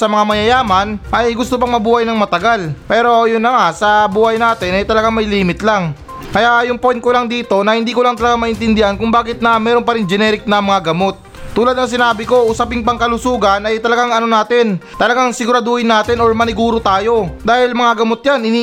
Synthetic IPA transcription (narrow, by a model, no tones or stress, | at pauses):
sɐmɐŋamɐjɐjaːmɐnʔɐjɡʊst̪opɐŋmɐbuːhɐjnɐŋmɐt̪ɐɡalpɛːɾo̞jʊnːɐŋasɐbuːhɐjnaːt̪ɪnɐjt̪ɐlɐɡaŋmɐjliːmɪt̪laŋ | kɐjaʔjʊŋpojnkolaŋd̪iːt̪o̞nɐhɪnd̪iːkolɐŋt̪ɐlɐɡaŋmɐʔɪnt̪ɪnd̪ɪhankʊŋbaːkɪt̪̚nɐmɛːɾo̞npɐɾɪnd͡ʒɛnɛːɾɪk̚nɐmɐŋaɡɐmo̞t̪̚ː | uːlɐd̪nɐŋs̬ɪnaːbɪko̞ʔʊsɐpɪŋpɐŋkɐlʊsuːɡɐnɐjt̪ɐlɐɡaŋɐno̞naːt̪ɪnt̪ɐlɐɡaŋsɪɡʊɾad̪oːhɪnːaːt̪ɪnoɹmɐnɪɡuːɾot̪aːjo̞d̪aːhɪlmɐŋaɡɐmot̪̚janɪni